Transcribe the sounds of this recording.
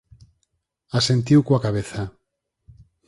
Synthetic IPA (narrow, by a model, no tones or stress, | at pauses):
asent̪̬iwkwakaβeθa